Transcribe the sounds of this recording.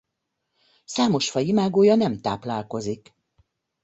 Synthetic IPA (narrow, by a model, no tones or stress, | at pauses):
saːmo̞ʃfɒjimaːɡoːjɒnɛmt̪aːplaːlko̞zik